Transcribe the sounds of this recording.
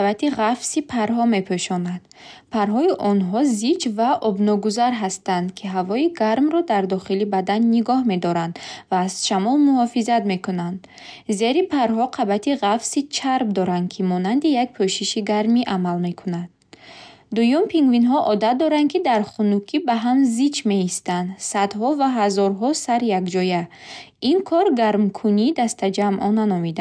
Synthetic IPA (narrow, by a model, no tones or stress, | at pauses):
bat̪iʁafsipʰaɾɦɔme̞pʰøʃɔnad̪̥ | pʰaɾɦɔiʔɔnɦɔzid͡ʒvaʔɔbnɔɡuzaɾɦast̪and̪kʰiɦavɔiɡaɾmɾɔd̪aɾd̪ɔχilibad̪anːiɡɔhme̞d̪ɔɾand̪vaːz̥ʃamɔlmuhɔfizad̪me̞kunand̪ | ze̞ɾipʰaɾɦɔqʰabat̪ʰiʁafsit͡ʃʰaɾb̚d̪ɔɾand̪̚kʰimɔnand̪ijak̚pʰøʃiʃiɡaɾmiʔamalme̞kʰunad̪̚ | d̪ujumpʰiŋɡvinɦɔʔɔd̪at̪̚d̪ɔɾand̪̚kʰid̪aɾχunukʰibaɦamzit͡ʃme̞ist̪and̪sad̪ɦɔvaɦazɔɾɦɔsaɾjakd͡ʒɔjainkʰɔɾɡaɾmkʰuniːd̪ast̪ʰad͡ʒamʔɔnanɔmid̪a